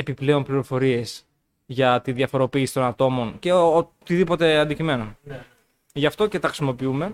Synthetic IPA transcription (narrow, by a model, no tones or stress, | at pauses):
e̞piple̞o̞mpliɾo̞fo̞ɾie̞s | ʝɐt̪iðʝɐfo̞ɾo̞piːsi̥t̪o̞nɐt̪o̞mo̞nce̞ot̪iðipo̞t̪e̞ɐnd̪icime̞non | ʝɐft̪o̞ce̞t̪ɐɾisimo̞piume̞